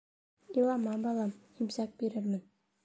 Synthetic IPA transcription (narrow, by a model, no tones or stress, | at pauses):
ilˠɑmɑbɑlˠɑm | imzɑk̚biɾɘɾmɘ̆n